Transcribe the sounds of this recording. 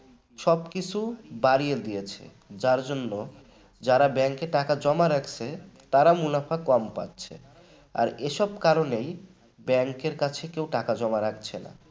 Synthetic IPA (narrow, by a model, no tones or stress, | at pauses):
ʃɔbkit͡ɕʰubaɾijed̪ijet͡ɕʰḛ | d͡ʑaɾd͡ʑonːo | d͡ʑaɾabɛŋkeʈakad͡ʑɔmaɾakʰt͡ɕʰet̪aɾamulafakɔmpa̰tːɕʰḛ | a̰ɾeʃɔb̚kaɾonej | bɛŋkeɾkat͡ɕʰekewʈakad͡ʑɔmaɾakʰt͡ɕʰena̰